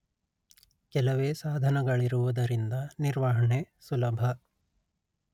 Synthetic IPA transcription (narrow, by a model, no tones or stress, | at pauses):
kɛlɐʋeːsaːd̪ʱɐnɐɡɐɭiɾuʋud̪ɐɾind̪ɐniɾʋɐɦɐɳesulɐbʱɐ